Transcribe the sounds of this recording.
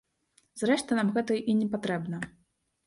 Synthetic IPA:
zɾɛʂt̪ɐnamɣɛt̪ɐʔinʲɛpat̪ɾɛbnɐ

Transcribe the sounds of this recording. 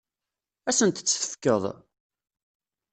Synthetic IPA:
æsənt̪t͡sːəθə̥fkːəðˤ

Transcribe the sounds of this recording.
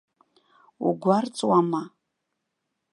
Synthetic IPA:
ṵɡʷart͡sʼwama

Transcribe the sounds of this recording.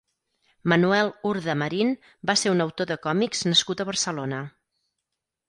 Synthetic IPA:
mənuɛlˠuɾðəməɾin | baseɾunəwt̪oðəkɔmikz̥nəskut̪əβərsəlonə

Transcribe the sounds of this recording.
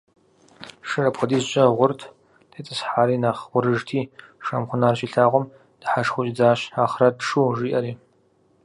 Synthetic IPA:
ʂɨrɐpχʷʊdiːzɕʼɐʁʷʊrtʰ | tʰet͡sʼɨsħaːɾiːnaːχʷʊɾɨʐtʰiːʂɐmχʷʊnaːrɕiɬaːʁʷɔm | d̥ɨħaʂxʷʊɕʼd͡zaːɕaːχrɐdʂuːʒiːʔɐɾiː

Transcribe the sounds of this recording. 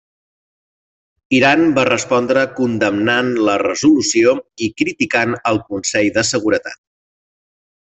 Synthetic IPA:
iɾanbarəspɔnd̪ɾəkund̪əmnanlərəzulusioikɾit̪ikanəlˠkunsɛʎðəsəɣuɾət̪a̰t̪̚

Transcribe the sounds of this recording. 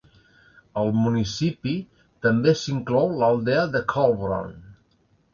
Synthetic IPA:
əlˠmunisipi | t̪əmbesiŋklɔwləlˠd̪eəðəkʰɔlβɾo̰n

